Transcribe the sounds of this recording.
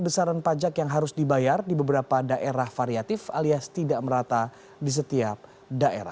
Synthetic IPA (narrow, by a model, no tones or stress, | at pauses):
bəsaɾanpad͡ʒakjaŋɦaɾʊsdibajardibəbəɾapadaʔeɾahfaɾiat̪ɪfaliast̪idaʔməɾat̪a | dis̬ət̪iap̚ | daʔḛɾa̰